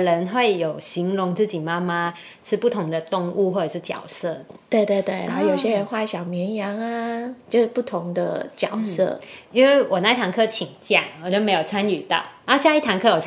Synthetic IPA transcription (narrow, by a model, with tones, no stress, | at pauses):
ɻə˧˦˥nxwe˥˩ɪjo˨˩ʊɕi˨˧˥ŋlʊ˧˥ŋt͡sɹ̩˥˩t͡ɕi˨˩ma˥ma˥ | ʂɻ̩˥˧pu˥˩t̪ʰʊ˧˥ŋd̪ə˧t̪ʊ˥˧ŋu˥˧xwɔ˥˩ʈ͡ʂə˨˩ʂɻ̩˥˩t͡ɕjɑ̰˨˩ʊsɤ˥˩t̪we˥˧ɪt̪we˥˧ɪt̪we˥˩ɪna˧˥jo˨˩ʊɕjɛ˥ɻə˧˥nxwa˥˩ɕjɑ˨˩ʊmjɛ˧˥njɑ˧˥ŋa˧t͡ɕjo˥˧ʊʂ̩˥˩pu˥˩t̪ʰʊ˧˦ŋd̪ə̰˧t͡ɕjɑ˨˩ʊsɤ̰˥˩i˥nwe˥˩ɪwɔ˨˩na˥˧i˥t̪ʰa˧˥ŋkʰɤ˥t͡ɕʰi˨˩ŋt͡ɕjɑ̰˥˩ŋwɔ˨˩t͡ɕo˥˧me˧˥ɪjo˨˩t͡sʰa˥ny˨˩t̪a̰˧˩a˥ɕja˥˧i˥˩t̪ʰa˧˥ŋkʰɤ˥jo˨˩